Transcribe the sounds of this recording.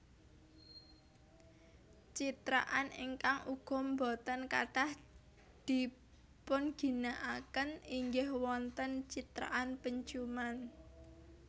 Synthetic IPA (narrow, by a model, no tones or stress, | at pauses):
t͡ʃit̪ɾa̰ʔanḭŋkaŋuɡ̥ɔ̤mbɔt̪ənka̰ɖ̥ah | d̪̥i̤ | pʊnɡ̥i̤naʔakəniŋɡɪhwɔnt̪ənt͡ʃit̪ɾa̰ʔanpəɲt͡ʃuman